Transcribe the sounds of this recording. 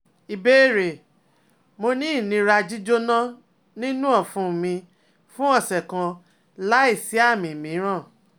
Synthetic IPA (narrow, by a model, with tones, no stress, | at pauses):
i˨be˦˨ɾe˨ | mo˧nĩ˦i˦˨nĩ˧ɾa˧d͡ʒi˦d͡ʒo˦nã˦ | nĩ˦nũ˦ɔ˦˨fũ˧˨mĩ˧ | fũ˦ɔ˦˨sɛ˨kã˧ | la˦i˦˨si˨˦a˦˨mĩ˨mĩ˨˦ɾ̃ã˦˨